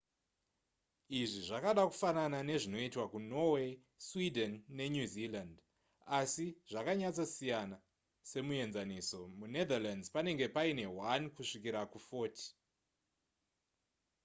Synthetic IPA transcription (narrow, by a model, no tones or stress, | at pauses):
iʐiʐakaɗaku̥fananane̞ʐino̞itwakuno̞we̞ | swidʱenːe̞ɲuziland | asiʐ̥akaɲat͡sasijana | se̞mue̞nzaniso̞mune̞d̪aland͡zpane̞ŋɡe̞paine̞wankuʂik̬iɾakufo̞ːti̥